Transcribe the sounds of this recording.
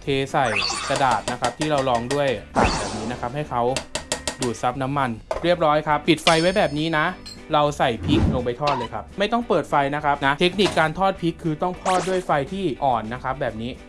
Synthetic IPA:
t̪ʰeː˧sa˨˩jsa˧da̰ː˨˩t̪̚na˦˥kʰa˦˥p̚t̪ʰiː˥˩ɾa˧wlɔː˧ŋdu˥˩əjpʰa̰ː˨˩n̚bɛː˨˩p̚niː˦˥na˦˥kʰa˦˥p̚ha˥˩jkʰa˦˥wduː˨˩t̪̚sa˦˥p̚na˦˥mːa˧nɾi˥˩əp̚ɾɔː˦˥jkʰa˦˥ppi˨˩t̪̚fa˧jwa˦˥jbɛː˨˩p̚niː˦˥na˦˥ʔ | ɾa˧wsa˨˩jpʰi˦˥k̚lo˧ŋp̬a˧jt̪ʰɔː˥˩t̪̚lɤː˧jkʰa˦˥p̚ma˥˩jt̪ɔ˥˩ŋpɤː˨˩t̪̚fa˧jna˦˥kʰa˦˥p̚na˦˥ʔt̪ʰe˦˥k̚ni˨˩kːaː˧nt̪ʰɔː˥˩t̪̚pʰi˦˥kʰːɯː˧t̪ɔ˥˩ŋt̪ʰɔː˥˩t̪̚du˥˩əjfa˧jt̪ʰiː˥˩ʔɔː˨˩nːa˦˥kʰa˦˥p̚bɛː˨˩p̚niː˦˥

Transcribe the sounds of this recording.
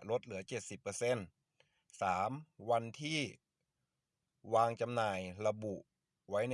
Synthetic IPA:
lo˦˥t̪̚lɯ˩˦ɐt͡ɕe˨˩t̪̚si˨˩pːɤː˧se˧˥˨n | saː˩˦mwa˧nt̪ʰiː˥˩ | waː˧ŋt͡ɕa˧mnaː˧˩jla˧bu˨˩ʔ | wa˦˥jn˧

